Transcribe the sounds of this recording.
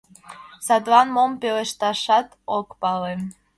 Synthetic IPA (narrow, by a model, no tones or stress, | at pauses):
sɑt̪lɑnmompeleʃt̪ɑʃɑt̪okpɑlem